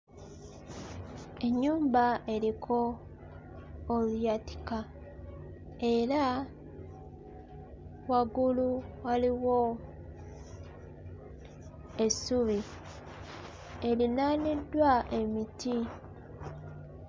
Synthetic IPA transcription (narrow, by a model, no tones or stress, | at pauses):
e̞ɲːuːmbae̞ɾikʰo | lujati̥ka | e̞ɾa | waɡuluwaliwo | e̞suβi | e̞linaːnidːwae̞mitʰi